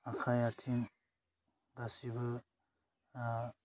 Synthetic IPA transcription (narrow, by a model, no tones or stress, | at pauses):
akʰajatʰin | dasibɯ